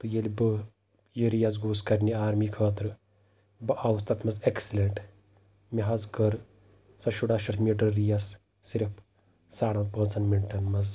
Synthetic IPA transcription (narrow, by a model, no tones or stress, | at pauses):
t̪ɨjelʲbɨ | jiɾijazɡuːskɐɾʲniaːɾmikʰɐːt̪ɾɨ | bɨʔawst̪ɐt̪ʰmɐzeksilʲeɳʈ | mʲiɦɐzkɐɾ | sɐʃuɖaːʃɐɾmiɖəɾijasː | iɾpʰ | saːɽɐnpəːzɐnmiɳʈɐnmɐz